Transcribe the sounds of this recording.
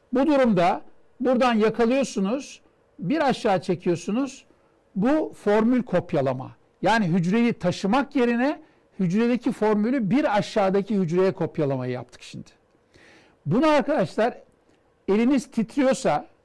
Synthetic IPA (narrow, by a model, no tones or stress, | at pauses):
bud̪uɾumd̪a | buɾd̪anjakʰalˠɯjo̞sunuz̥ | biɾaʃːaːt͡ʃʰe̞cʰijo̞sunuz̥ | bufo̞ɾmylʲkʰo̞pjalˠama̰ | jaːniɦyd͡ʒɾe̞jit̪ʰaʃɯmakje̞ɾinɛ | hyd͡ʒɾed̪e̞cʰifo̞ɾmylʲybiɾaʃːaːd̪acʰihyd͡ʒɾe̞jɛkʰo̞pjalˠamajɯja̰p̚t̪ʰɯ̥kʃimd̪̥ɪ̥ | bunuaɾkad̪aʃlˠaɾ | e̞lʲiniz̥t̪ʰit̪ʰɾijo̞sa